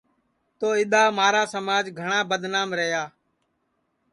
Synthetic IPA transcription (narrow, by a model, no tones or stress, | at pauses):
t̪oːɪɗ̪aːmaːɾaːsəmaːd͡ʒɡʱəɳaːbəd̪naːmɾəɦjaː